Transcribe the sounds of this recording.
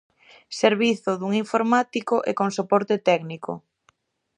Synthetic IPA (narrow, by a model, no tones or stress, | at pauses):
seɾβiθʊðuŋiɱfoɾmat̪ikʊʔekoŋsopɔɾt̪et̪ɛɡniko̰